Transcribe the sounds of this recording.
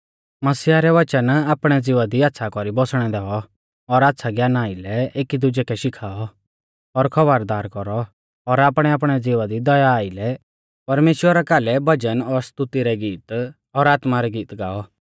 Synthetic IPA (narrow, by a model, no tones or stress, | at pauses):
mɐsiaɾɛʋɐt͡ʃənaːpɽ̃ɛd͡ziːʋad̪iaːt̪ːsʰakɔɾibɔsɽ̃ɛd̪ɛːɔ | ɔɾaːt̪ːsʰaɡjaːnaːilɛeːkid̪ʊd͡ʒɛkʰɛʃɪkʰaːɔ | ɔɾkʰɐʋaɾd̪aːɾkɔɾɔ | ɔɾaːpɽ̃ɛaːpɽ̃ɛd͡ziːʋad̪id̪ɔjaːilɛ | pɐɾmeːʃwəɾakaːlɛbʱɐd͡ʒənɔɾst̪ʊt̪iɾɛɡiːt̪ | ɔɾaːt̪maɾɛɡiːt̪ɡaːɔ